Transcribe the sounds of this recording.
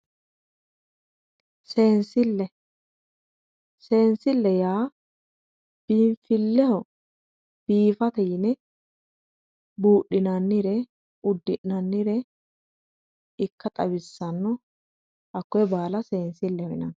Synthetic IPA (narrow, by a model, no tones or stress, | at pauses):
seːnsɪlːɛ | se̞ːnsɪlːɛjaː | b̥iːɱfɪlːɛhɔ | b̥iːfɐt̪ɛjɪnɛ | buːɗɪnɐnːɪɾɛ | ʊd̪ːɪʔnɐnːɪɾɛ | ɪkːɐt̪ʼɐwɪsːɐnːɔ | ʔɐkːɔɛbaːlɐseːnsɪlːɛhɔɪnɐn